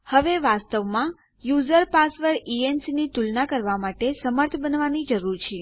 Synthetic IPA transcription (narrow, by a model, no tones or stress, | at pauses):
həʋeʋast̪əʋmã | juzəɾpasʋəɾiensinit̪ulnakəɾʋamaʈesəməɾt̪ʰbənʋanid͡ʒəɾuɾt͡ʃʰe